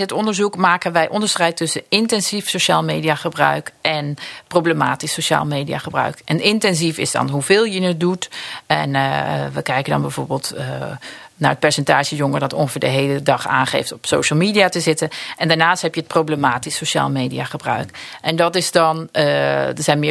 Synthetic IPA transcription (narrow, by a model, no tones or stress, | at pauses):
dɪtɔndəɹzukmaːkənʋɛjʔɔndəɹstrɛjtɵsəɪntɛnzifsoʃaːlˠmeːdiaχəbrœ̰ɥkʔɛnprowbləmaːtisːoʃa̰ːlˠmejdia̰χəbrœ̰ɥkʔɛnɪntɛnzifɪ̰zdɑ̰nɦuvɪːlˠjənət̚dutɛnʋəkɛjkəndɑ̰nbɛjvo̰ːɹbɪːlˠtə | naɹət̚pɛɹsɛntaːʒəjɔŋəɹdɔtɔ̰ŋχəvɪːɹdəɦejlədɑχa̰ːnχḛjftɔpsowʃəlˠmiːdiatəzɪtənʔɛndaɹnaːsthɛpjəət̚prowbləmaːtisoʃa̰ːlˠmejdḭaχəbrœ̰ɥkʔɛndɑtɪzdɑn | dəɹzɛjnmɪ